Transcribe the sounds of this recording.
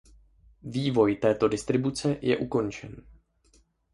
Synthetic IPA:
viːvo̞jt̪ɛːt̪o̞dɪst̪ɾɪbut͡sɛjɛ̰ʔuko̞nt͡ʃɛn

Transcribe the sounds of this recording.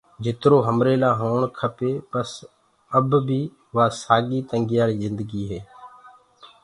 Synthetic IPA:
d͡ʒɪt̪ɾoːɦəmɾeːlãːɦoːɳkʰəpeːpəs | əbbiː | ʋaːsaːɠiːt̪əŋɡɪjaːɾiːzɪnd̪əɡiːɦeː

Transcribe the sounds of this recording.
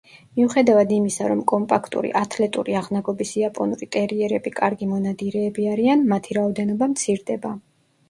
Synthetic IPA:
miuχɛd̪avad̪imisaɾɔmkʼɔmpʼakʰt̪ʼṵɾḭʔat̪ʰlɛt̪ʼṵɾiaʁnaɡɔbisiapʼɔnuɾit̪ʼɛɾiɛɾɛbikʼaɾɡimɔnad̪iɾɛːbiaɾianmat̪ʰiɾaɔd̪ɛnɔbamt̪sʰiɾd̪ɛba

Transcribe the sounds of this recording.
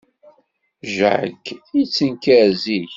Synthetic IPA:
ʒəʕə̰ɡit͡sːənkæɾziç

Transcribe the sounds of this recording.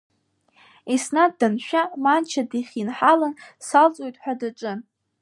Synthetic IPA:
isnaddanʃᶣamant͡ʃʰadiχʲinħalansalt͡sʼojtʼħʷᶣadaʈ͡ʂʼɨ

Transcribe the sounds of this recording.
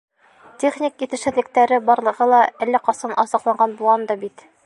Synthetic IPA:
tʲeχnʲikit̪ɘ̆ʃɘ̆ðlɘ̆k̚t̪æɾɘbɒɾlˠɤ̆ʁɤlˠɑælːæqɒsɤnɒsɑqlˠɑɴɢɑnbulˠʁɑnd̪ɑbit̪

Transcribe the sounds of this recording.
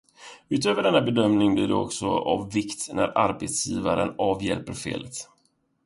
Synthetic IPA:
ʉ̟ːt̪øːvəɖɛnːabɛd̪œmnɪŋbliːɖɛ̰ɔ̰ksɔavːɪkt̪næɾaɾbeːt̪sjiːvaɾənɑːvjɛlpəɾfḛːlət̪

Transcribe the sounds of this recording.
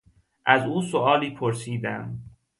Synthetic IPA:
ʔæzuːsoɒːliːpʰoɾsiːd̪æm

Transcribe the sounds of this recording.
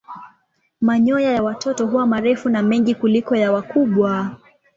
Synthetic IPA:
maɲɔjajawatʰɔtɔɦuwamaɾɛfunamɛŋɡikulikɔjawakuɓwa

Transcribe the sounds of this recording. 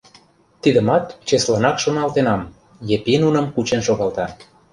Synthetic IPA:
t̪id̪ə̆mɑt̪t͡ɕeslɑnɑkʃonɑlt̪enɑm | jepinunə̆mkut͡ɕenʃoɣɑlt̪ɑ

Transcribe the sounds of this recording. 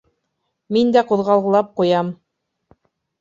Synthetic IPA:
mind̪æquðʁɑlˠʁɤ̆lˠɑp̚qujɑm

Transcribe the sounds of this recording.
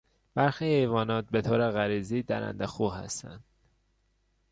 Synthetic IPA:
b̥æɾxiːhejvɒːnɒːt̪̚be̞t̪ʰoːɾeɣæɾiːziːd̪æ̰ɾæ̰nd̪exuːɦæ̰st̪æ̰nd̪̥

